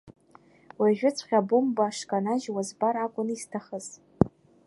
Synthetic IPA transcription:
waʒᶣʊt͡sʷʰχʲabumbaʂkʼanaʒwazbarakʷʼʊnistʰaχəz̥

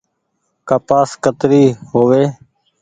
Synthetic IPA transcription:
kaːpaːskət̪ɾiːɦoːʋeː

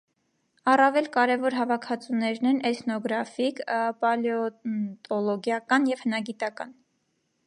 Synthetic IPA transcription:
ɑrɑvɛlkɑɾɛvɔɾɦɑvɑkʰɑt͡sunɛɾnɛnɛt̪ʰnɔɡɾɑfikpɑljɔt̪ɔlɔɡjɑkɑnjɛv̥hənɑɡit̪ɑkɑ̰n

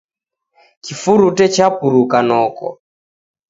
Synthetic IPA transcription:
kifuɾutɛt͡ʃapuɾukanɔkɔ̰

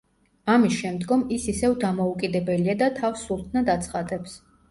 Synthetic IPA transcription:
amisʃɛmd̪ɡɔmisisɛvd̪amɔukʼid̪ɛbɛliad̪at̪ʰafsːuɾt̪ʰnad̪at̪sʰχad̪ɛps

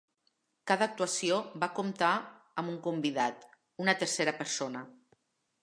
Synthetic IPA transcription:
kaðəːk̚t̪uasiobakumt̪a | əmuŋkumbiðat̪ | unət̪əɾseɾəpəɾsonə

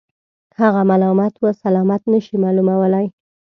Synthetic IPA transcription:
haɣamɑlɑmɑt̪wəsalɑmat̪nəʃimɑlumawəlaj

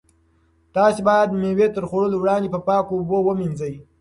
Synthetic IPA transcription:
t̪ɑːsibɑjad̪mewet̪əɾxoɽəlowɽɑnd̪epəpɑːkoːbowəminzəj

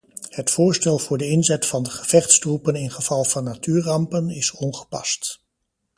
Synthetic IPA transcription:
hətfʊːɹstɛlˠv̥ʊːɹdəɪnzɛtfɑndəχəv̥ɛχtstrupənɪnχəv̥ɑlˠvɑnːatyːɹrɑmpənɪsɔnχə̥pɑ̰st

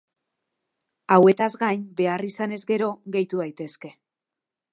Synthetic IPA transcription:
awe̞t̪azɡajnbe̞arisane̞zɡe̞ɾo̞ɣe̞jt̪uðajt̪e̞ske̞

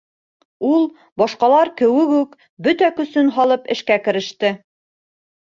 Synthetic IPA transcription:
ulˠ | bɒʃqɑlˠɑɾkɘ̆wɘɡʉk | bɵt̪ækɵ̆sɵnɦɑlˠɤpɘ̰̆ʃkækɘ̆ɾɘ̆ʃt̪ɘ

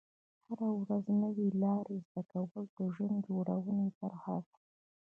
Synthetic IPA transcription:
haɾawɾaznəwelɑɾezd̪akawəld̪əʒənd̪d͡ʒoɽawənep̪əɾhɑ̰l

